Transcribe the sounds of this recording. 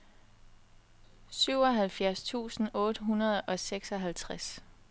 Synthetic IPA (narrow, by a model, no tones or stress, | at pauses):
syʊɒ̽ɦælfjæɐst͡sʰṵːsn̩ɔ̽ːd̥əɦunɐð̞̩ˠɒ̽seɡ̥sɒ̽ɦælt͡sʰʁas